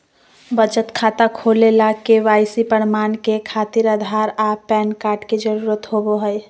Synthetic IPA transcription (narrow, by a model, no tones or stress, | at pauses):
bəd͡ʒət̪kʰaːt̪akʰolelakeʋaːjsipəɽmaːnkekʰaːt̪iɾəd̪ʱaɾapɛːnkaːɾʈked͡ʒəɾuːɾət̪ɦoboɦəj